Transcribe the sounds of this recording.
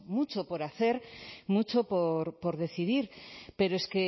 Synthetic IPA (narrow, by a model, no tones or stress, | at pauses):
mut͡ʃo̞po̞ɾaθe̞ɾmut͡ʃopoɾpo̞ɾðe̞θiðiɾpe̞ɾoeske̞